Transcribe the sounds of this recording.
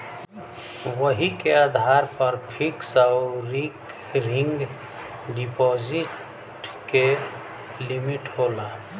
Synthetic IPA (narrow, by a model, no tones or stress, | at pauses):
wəɦikead̪ʱaɾpəɾpʰiksaʊɾik | ɾɪ̃ŋɡ | ɖipɔziʈ | ke | limiʈɦola